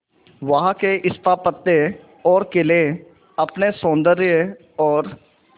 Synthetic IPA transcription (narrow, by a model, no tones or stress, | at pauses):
ʋɐɦãkeʔɪst̪ʰaːpət̪ːe | ɔːɾkele | ɐpnesõːnd̪əɾjə | ɔːɾ